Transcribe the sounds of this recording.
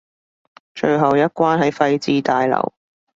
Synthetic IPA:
t͡ʃɵ˧ɥɦɐ˨wjɐ˥t̚kʷwaː˥nɦɐ˨˥jfɐ˧jt͡siː˧t̪aː˨jlɐ̰˨˩w

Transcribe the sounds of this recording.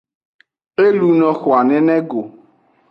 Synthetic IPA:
e˦lu˦nɔ˦xwa˨nɛ˦nɛ˦ɡo˨

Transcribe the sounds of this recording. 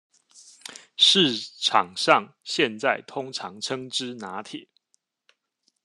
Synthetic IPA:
ʂɻ̩˥˨ʈ͡ʂʰɑ˨˩ŋʂɑ˥˨ŋ | ɕjɛ˥˨nt͡sa˥˨ɪt̪ʰʊ˦ŋʈ͡ʂʰɑ̰˧˦ŋʈ͡ʂʰɤ˥ŋʈ͡ʂɻ̩˦na˨˦t̪ʰi˨˩˦

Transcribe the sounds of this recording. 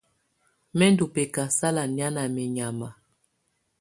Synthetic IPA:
mɛ˦ndu˨pɛ˨ka˨sa˦la˨ni˨˦a˦na˨mɛ˨ɲa˨ma˨

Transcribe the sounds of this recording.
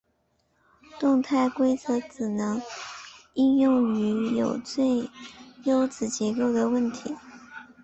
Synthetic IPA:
t̪ʊ˥˧ŋt̪ʰa˥˩ɪkwe˥ɪt͡sɤ˧˥ʈ͡ʂɻ̩˨˩nɤ˧˥ŋ | i˥˧njʊ˥˩ŋy˧˥jo˨˩ʊt͡swe˥˩ɪjo˥ʊt͡sɹ̩˨˩t͡ɕjɛ˧˥ko˥˩ʊd̪ə˩wə˥˩nt̪ʰi˧˥

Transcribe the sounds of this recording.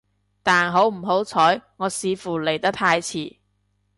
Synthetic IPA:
t̪aː˨˩nɦo˨˥wm̩˨˩ɦo˨˥wt͡sʰɔː˨˥jŋɔː˨˧siː˨˧fuː˨˩le˨˩jt̪ɐ˥k̚t̪ʰaː˧jt͡sʰiː˨˩

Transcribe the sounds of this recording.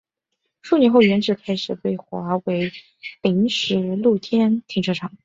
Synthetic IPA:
ʂu˥˩njɛ˧˥nxo˥˩ʊɥjɛ˧˥nʈ͡ʂɻ̩˧˥kʰa˥ɪʂɻ̩˨˩pe˥˩ɪxwa̰˧˥we˧˥ɪ | pi˧˥ŋʂɻ̩˧˥lu˥˩t̪ʰjɛ˥nt̪ʰi˧˥ŋʈ͡ʂʰɤ˥˩ʈ͡ʂʰɑ˨˩˦ŋ

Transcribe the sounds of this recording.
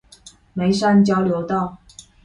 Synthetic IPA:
me˧˥ɪʂa˥˧nt͡ɕjɑ˥ʊljo˧˥ʊt̪ɑ˥˩˨ʊ

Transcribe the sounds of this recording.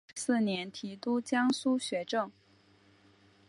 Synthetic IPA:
sɹ̩˥˩njɛ˧˥nt̪ʰi˧˥t̪u˥t͡ɕjɑ˥ŋsu˥ɕɥɛ˧˥ʈ͡ʂɤ˥˩ŋ

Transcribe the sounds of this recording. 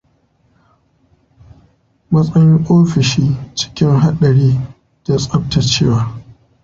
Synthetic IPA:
mɐ˦sʼɐ˦jɪ˦ŋʔoː˦ɸɪ˨ʃiː˦t͡ʃɪ̥˦kʲɪ˦ŋɦa˦ɗɐ˨ɽiː˦ | da˦sʼɐ˦p̚ta˨t͡ʃeː˦waː˨

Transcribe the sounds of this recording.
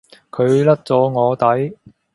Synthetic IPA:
kʰɵ˨˧ɥlɐ˥t̚t͡sɔː˨˧˥ŋɔː˨˧t̪ɐ˨˥j

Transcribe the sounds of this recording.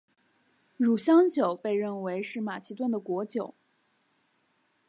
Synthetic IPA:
ɻu˨˩ɕjɑ˥ŋt͡ɕjo˨˩˦ʊpe˥˧ɪɻə˥˩nwe˧˥ɪʂɻ̩˥˩ma˨˩t͡ɕʰi˧˥t̪wa˥˩nd̪ə˩kwɔ˧˥t͡ɕjo˨˩˦ʊ

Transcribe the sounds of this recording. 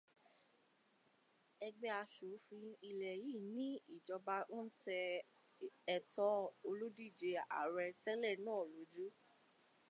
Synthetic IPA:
ɛ˧ɡ͡bɛ˧a˧ʃu˨˦fĩ˧i˧lɛ˨jiː˦˨nĩ˨˦i˦˨d͡ʒɔ˧ba˧o˦tɛ˧ | ɛ˨tɔ˧˦o˧lu˦di˦˨d͡ʒe˧a̰˨ɾɛ˧tɛ˦lɛ˦˨nãː˦˨lo˨˦d͡ʒu˦

